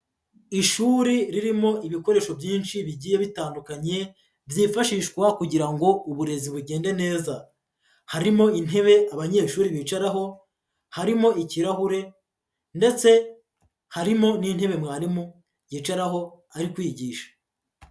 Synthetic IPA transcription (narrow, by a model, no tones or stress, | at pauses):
iʃuːɾiɾiɾimo̞iβiko̞ɾe̞ːʃo̞bjiːnʃiβiɟiːjeβitaːndukaɲe̞ | vjiːfaʃiːʃkwakuɟiɾaŋɡo̞uβuɾe̞ziβuɟe̞ːnde̞ne̞ːza | haɾimo̞in̥ɦe̞βe̞aβaɲe̞ːʃuːɾiβiːt͡ʃaɾaɦo̞ | haɾimo̞ʔiciɾaɦuɾe̞ | nde̞t͡se̞ | haɾimo̞nin̥he̞βe̞mŋaːɾimo | jiːt͡ʃaɾaɦo̞ | aɾikwiːɟiːʃḁ